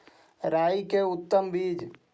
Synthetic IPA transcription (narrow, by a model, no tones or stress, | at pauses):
ɾaːikeʊt̪ːəmbiːd͡ʒ